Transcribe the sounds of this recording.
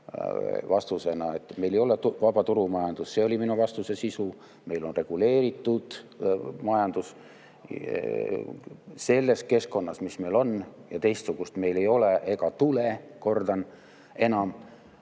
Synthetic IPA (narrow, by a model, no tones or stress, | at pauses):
vɑst̪use̞nɑe̞t̪ːˑme̞jlejo̞let̪vɑb̥ɑt̪uɾumɑjɑnd̪̥usse̞olʲiminuvɑst̪use̞sisu | me̞jlo̞nre̞ɡ̥ule̞ːɾit̪ːˑud̪̥mɑjɑnd̪̥us | se̞lːe̞ske̞sko̞nːɑsmisme̞jlo̞njɑt̪e̞jst̪suɡ̥ust̪me̞jle̞jo̞leʔe̞ɡ̥ɑt̪ule̞ko̞rd̪ɑn | e̞nɑm